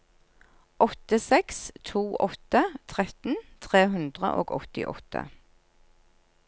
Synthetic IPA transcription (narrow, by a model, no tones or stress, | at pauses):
ʔɔt̪əsɛkst̪ʰuːʔɔt̪ət̪ʰʁɛt̪n̩t̪ʰʁeːɦʉnd̪ʁə̰ʔo̰ːɡɔ̰t̪ɪ̰ʔɔ̰t̪ʰə̰